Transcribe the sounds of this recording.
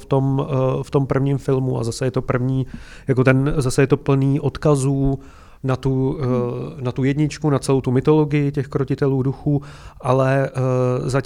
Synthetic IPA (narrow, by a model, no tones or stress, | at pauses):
ft̪o̞mft̪o̞mpr̩vɲiːmfɪlmua̰zasɛjɛt̪o̞pr̩vɲiː | jako̞t̪ɛnzasɛjɛt̪o̞pl̩niːʔo̞t̪kazuː | nat̪u | nat̪ujɛdɲɪt͡ʃkunat͡sɛlowt̪umɪt̪o̞lo̞ɡɪjɪcɛxkɾocɪt̪ɛluːduxuːʔalɛ | za